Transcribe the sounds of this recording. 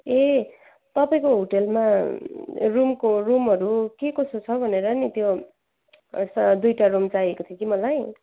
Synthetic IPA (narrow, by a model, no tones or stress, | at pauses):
e | t̪ʌpaĩkoɦoʈelma | rumkorumɦʌɾukekosot͡sʰʌbʱʌneɾʌnit̪jo | sd̪ujʈarumt͡saiekot̪ʰjʌ̃kimʌlaj